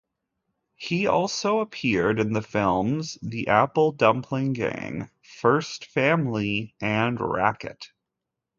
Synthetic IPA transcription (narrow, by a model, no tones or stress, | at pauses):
hiɔ̰lˠsoʊəpʰɪɹɾɨ̃nðɨfɪlˠmz̥ðiʔæpl̩ˠdʌ̃mpʰlɪ̃ŋɡæ̰̃ŋ | fɜ˞stfæ̃mliɨ̃nɹæ̰kɨ̰t̚